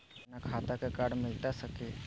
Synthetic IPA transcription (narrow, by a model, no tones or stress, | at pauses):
nakʰaːt̪akakaːɖmɪlt̪asəkeː